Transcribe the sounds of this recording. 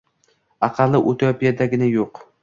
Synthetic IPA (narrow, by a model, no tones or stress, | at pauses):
ɑqʰɑlˠːɪʔot̪ʰopijad̪aɡʲɪnajoq